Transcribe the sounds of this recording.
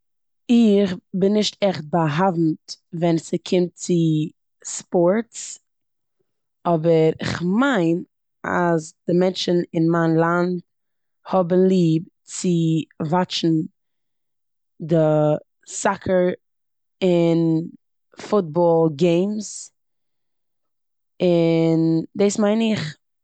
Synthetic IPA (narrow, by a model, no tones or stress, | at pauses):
ɪχbɪnːɪʃtɛχt̚baɦavn̩tvɛnsɪkʰɪmt̚t͡sɪ | spɔɾts | ɔbəɾɪ̰χmaɪn | a̰zd̥ɪmɛnt͡ʃn̩ɪnmaɪnlˠand | hɔbən̩lˠiːb | t͡sɪvat͡ʃn̩ | dɪ | sakʰəɹ | ɪn | fʊt̚bɔlˠɡeɪms | ɪndeːsmaɪnɪχ